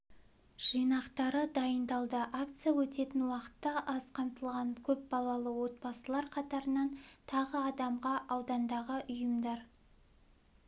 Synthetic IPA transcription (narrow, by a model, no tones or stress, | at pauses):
ʒ̥ijnɑqt̪ɑɾəd̪ɑjənd̪ɑlˠd̪əʔakt̪sɨjawɵt̪e̞t̪ɪnwɑqə̥t̪ːɑʔɑzqʰɑmt̪əlˠʁɑŋkʲʰɵp̚bɑlˠɑlˠəwo̞t̪̚bɑsəlˠɑɾqʰɑt̪ɑɾənɑnt̪ʰɑʁəɑd̪ɑmʁɑʔɑwd̪ɑnd̪ɑʁəʔʊjəmd̪ɑɾ